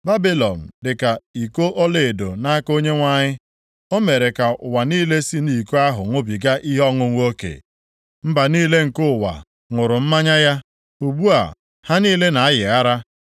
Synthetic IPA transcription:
ba˦bi˦lɔ˨n̩˨dɪ˨ka˨i˨ko˦ʔo˦le˨e˨do˨na˦ko˦ɲe˦ŋʷa˦ɲɪ˦ | o˦me˨ɾe˨ka˨ʊ˨wa˨niː˦le˦si˦ni˨ko˦a˦ɦʊ̰˨ŋʷʊ˦bi˨ɡa˦ʔi˦ɦɔ˦ŋʊ˦ŋʷ˦o˦kḛ˨ | m̩˦ba˨niː˦le˦ŋ̩˨kʊ˦˨wa̰˨ | ŋʊ˨ɾʊ˨m̩˦ma˦ɲa˦ja˦ | u˨bu˦a̰˨ | ha˦niː˦le˦na˨a˦jɪ˨a˦ɾa˦

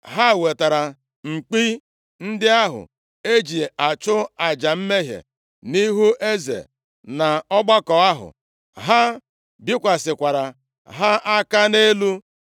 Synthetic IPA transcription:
ɦa˦˨we˨ta˨ɾa˨ | ŋ͡m̩˨k͡pi˦ | n̩˦dɪ˦a˦ɦʊ̰˨ | e˦d͡ʒi˨a˨t͡ʃʊ˦a˨d͡ʒa˨m̩˦me˦ɦjḛ˨ | ni˦ɦu˦ʔe˦zḛ˨ | na˨ɔ˦ɡ͡ba˦kɔ˨a˦ɦʊ̰˨ | ɦa˦ | bɪ˦kʷa˨sɪ˨kʷa˨ɾa˨ | ɦa˦ʔa˦ka˦ne˦lu˦

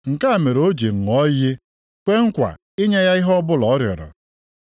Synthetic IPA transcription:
ŋ̩˨ka˦a˨me˨ɾo˦d͡ʒe˨ŋ̩˨ɔ˦jɪ˦ | kʷe˦ŋ̩˦kʷa̰˨ | ɪ˦ɲe˦ja˦i˦ɦɔ˦bʊ˦lɔ˨ɔ˦ɾjɔ̰˨ɾɔ̰˨

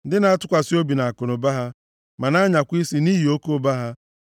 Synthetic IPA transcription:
n̩˦dɪ˦na˨˦a˦tʊ˦kʷa˨si˦o˦bi˨na˨a˨kʊ˨nʊ˨ba˦ɦa˦ | ma˨na˦ɲa˨kʷi˦si˦ni˦ɦi˨o˦ko˦ba˦ɦa˦

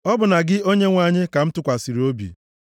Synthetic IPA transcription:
ɔ˦bʊ˨na˨ɡɪ˦o˦ɲe˦ŋʷa˨ɲɪ˦ka˨m̩˦tʊ˦kʷa˨si˨ɾi˨o˦bḭ˨

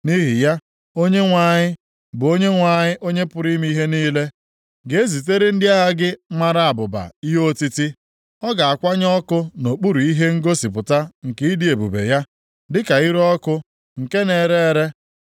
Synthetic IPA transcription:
ni˦ɦi˨ja˦ | o˦ɲe˦ŋʷa˨ɲɪ˦ | bʊ˨o˦ɲe˦ŋʷa˨ɲɪ˦ʔo˦ɲe˦pʊ˨ɾi˦m˦i˦ɦe˦niː˦le˦ | ɡe˨e˦zi˨te˦ɾe˦n̩˦dɪ˦a˦ɦa˦ɡɪ˦ŋ͡ma˦ɾa˨a˨bʊ˨ba̰˨i˦ɦo˦ti˦ti˦ | ɔ˦ɡa˨a˨kʷa˦ɲ˦ɔ˦kʊ˦no˨k͡pu˦ɾu˨i˦ɦe˦ŋ̩˦ɡo˦si˨pʊ˨ta˦ŋ̩˨ke˦i˦dɪ˨e˨bṵ˨bḛ˨ja˦ | dɪ˦ka˨i˦ɾɔ˦kʊ˦ | ŋ̩˨ke˦ne˨ɾe˦ɾe˦

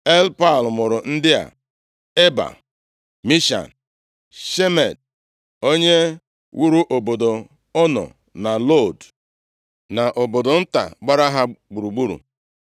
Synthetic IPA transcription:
e˦lpa˦˨lmʊ˨ɾʊ˨n̩˦dɪ˦a̰˨ | e˦ba̰˨ | mi˦ʃa̰˨n | ʃe˦me˨d̚ | o˦ɲe˦ | wʔu˦ɾu˦ʔo˨bo˨do˨ | ɔ˦nɔ̰˨ | na˨lo˦˨d | na˨ʔo˨bo˨do˨n̩˦ta̰˨ɡ͡ba˦ɾa˦ɦa˦ɡ͡bu˨ɾu˨ɡ͡bu˦ɾṵ˨

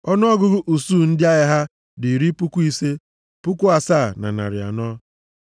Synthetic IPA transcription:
ɔ˦n˦ɔ˦ɡʊ˦ɡʊ˦ʔu˨suː˦˨n̩˦dɪ˦a˦ɣɪ˦ɦa˦ | dɪ˨ɾi˦pʊ˦kʷu˦i˦se˦ | pʊ˦ku˦a˨saː˦˨na̰˨na̰˨ɾɪ˨a̰˨nɔ˦

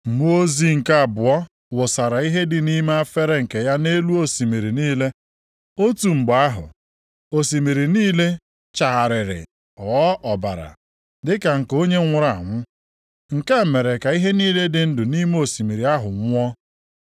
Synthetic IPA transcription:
m̩˨mu˦o˦zi˦ŋ̩˨ka˦a˨bʊ˨ɔ˦ | wʊ˨sa˨ɾa˨i˦ɦe˦dɪ˨ni˦me˦a˦fe˦ɾe˦ŋ̩˨ke˨ja˦ne˦lu˦o˦si˨mi˨ɾi˨niː˦le˦ | o˦tu˨ŋ͡m̩˨ɡ͡ba˦ɦʊ̰˨ | o˨si˨mi˨ɾi˨niː˦le˦ | t͡ʃa˨ɦa˨ɾɪ˨ɾɪ̰˨ | ɔ˨˦ʔɔ˨ba̰˨ɾa̰˨ | dɪ˦ka˨ŋ̩˨ko˦ɲe˦ŋʷʊ˦ɾa˨ŋʷʊ˦ | ŋ̩˨ka˦e˨me˨ɾe˨ka˨i˦ɦe˦niː˦le˦dɪ˨n̩˦dʊ˨ni˦me˦o˨si˨mi˨ɾi˨a˦ɦʊ˨ŋʷ˦ɔ˦

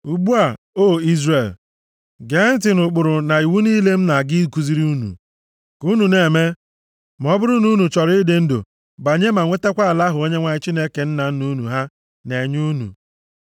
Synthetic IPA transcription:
u˨ɡ͡bu˦a˨ | o˦i˦zre˨l | ɡe˨˦n̩˦tɪ˨nʊ˨k͡pʊ˨ɾʊ˨na˨i˨wu˦ni˦le˦m̩˦na˨ɡɪ˦ku˨zi˦ɾi˦u˦nṵ˨ | ku˦nu˨ne˨me˦ | m˨ɔ˦bʊ˦ɾʊ˦nu˦nu˨t͡ʃɔ˨ɾɪ˦dɪ˨n̩˦do̰˨ | ba˨ɲe˦ma˨ŋʷe˦te˦kʷa˦a˨la˦ɦʊ˨o˦ɲe˦ŋʷa˨ɲɪ˦t͡ʃi˦ne˦ke˨n̩˦na˨n̩˦nu˦nṵ˨ɦa˦ | ne˨ɲu˦nṵ˨

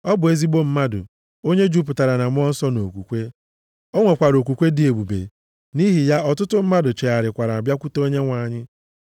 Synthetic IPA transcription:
ɔ˦bʊ˨e˦zi˦ɡ͡bo˦m̩˦ma˦dʊ̰˨ | o˦ɲe˦d͡ʒu˦p̬ʊ˨ta˨ɾa˨na˨m˦ɔ˦n̩˦sɔ˦no˨kʷṵ˨kʷe˦ | o˦ŋʷe˨kʷa˨ɾo˨k̬ʷu˨kʷe˦dɪ˨e˨bu˨bḛ˨ | ni˦ɦi˨ja˦ɔ˨tʊ˦tʊ˦m̩˦ma˦dʊ˨t͡ʃe˨a˨ɾɪ˨kʷa˨ɾa˨bja˦kʷu˦to˦ɲe˦ŋʷa˨˦˨ɲɪ˦

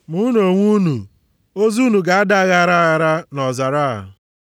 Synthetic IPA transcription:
mu˦n˦o˨ŋʷu˦nu˨ | o˦zu˦nu˨ɡa˨a˦da˦a˦ɣa˦˨ɾa˦ɣa˨ɾa˦nɔ˨za˨ɾa˦˨

